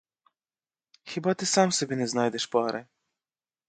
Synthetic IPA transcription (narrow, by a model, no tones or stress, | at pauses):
xʲɛbat̪ɨsamsɔbʲinɛznajd̪ɛʃpaɾɛ